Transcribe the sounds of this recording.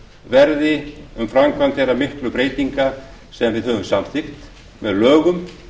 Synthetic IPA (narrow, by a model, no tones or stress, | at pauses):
vɛɾðɪʏmfɾamkvant̪ɛɾamɪhklʏpɾeːjt̪iŋka | sɛðanvɪðhœːvʏmsamθɪxt̪ | mɛðlœːɣʏm